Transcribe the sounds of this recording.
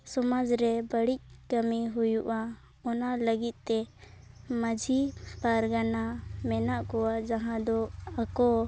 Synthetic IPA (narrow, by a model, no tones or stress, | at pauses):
sɔmad͡ʒɾɛbəɽic̚kəmiɦujuʔa | ɔnaləɡit̪̚ˀt̪ɛ | məd͡ʒʱipaɾɡanamɛnaʔkɔwad͡ʒaɦãd̪ɔakɔ